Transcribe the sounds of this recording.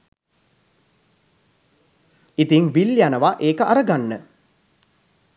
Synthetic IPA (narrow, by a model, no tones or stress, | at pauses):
it̪iŋʋiljanəʋaʔeːkəʔaɾəɡanːə